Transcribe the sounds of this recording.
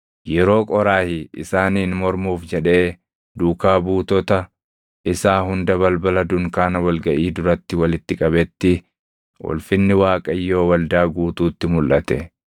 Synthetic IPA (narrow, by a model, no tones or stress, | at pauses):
jɛɾo̞ːkʼɔɾaːhɪʔɪ̰saːniːnmɔɾmuːfd͡ʒɛᶑe̞ː | d̪uːkaːbuːt̪ɔt̪ɐ | ʔɪsaːɦʊnd̪ɐβɐlbɐlɐd̪ʊŋkaːnɐwɐlɡɐʔiːd̪ʊɾɐt̪ːɪwɐlɪt̪ːɪkʼɐβɛt̪ːɪ | wɔ̰lfɪnːɪwaːkʼɐjːo̞ːwɐld̪aːɡuːt̪uːt̪ːɪmʊlʔɐt̪ɛ